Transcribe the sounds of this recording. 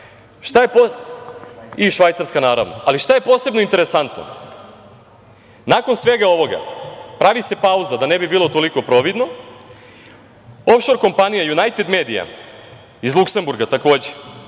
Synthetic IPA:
ʃt̪ajepo | iʃʋajt̪saɾskanaːɾa̰ʋno̞̰aliʃt̪aje̞po̞ːse̞bnoint̪e̞ɾesant̪no̰ | nako̞nsʋe̞ɡao̞ʋo̞ɡa̰pɾaʋise̞pauzad̪ane̞bibiːlo̞t̪o̞liko̞pɾo̞ʋid̪no̞ | o̞fʃo̞ɾko̞mpanijajunajt̪ed̪me̞ːd̪ija̰ | izlˠukse̞mbuɾɡat̪ako̞ːd͡ʑe

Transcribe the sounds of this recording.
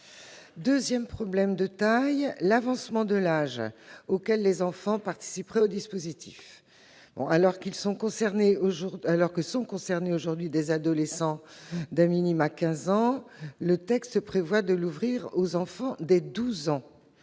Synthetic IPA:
d̪øzjɛmpχɔblɛmd̪ət̪ajlavɑ̃smɑ̃d̪əlaʒokʲɛlːezɑ̃fɑ̃paʁt̪i̥sipʁɛod̪ispozit̪ʰif | bɔ̰̃ʔalɔʁkilsɔ̃kɔ̃sɛʁneoʒuʁalɔʁkisɔ̃kɔ̃sɛʁneoʒuʁd̪ɥid̪ezad̪ɔlesɑ̃d̪ɛ̃minimakʲɛ̃zɑ̃lət̪ɛkst̪əpχevwad̪əluvʁiʁozɑ̃fɑ̃d̪ed̪uzɑ̃

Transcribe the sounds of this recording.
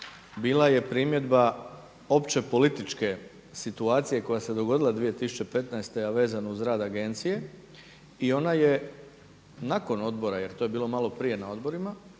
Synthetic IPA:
biːlˠaje̞pɾimje̞d̪ba | o̞pt͡ɕe̞po̞lit̪it͡ʃke̞ | sit̪uaːt̪sije̞ko̞jased̪o̞ɡo̞d̪ilˠad̪ʋije̞t̪isut͡ɕe̞pe̞t̪naest̪e̞jaʋe̞ːzanouzɾaːd̪aɡe̞nt̪sije̞ | io̞naje̞ | nako̞no̞d̪bo̞ɾaje̞ɾt̪o̞je̞biːlo̞malo̞pɾije̞nao̞d̪bo̞ɾima

